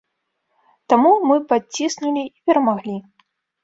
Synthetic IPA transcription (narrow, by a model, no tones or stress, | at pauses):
t̪amumɨpat͡sʲːisnulʲiipʲɛɾɐmaɣlʲi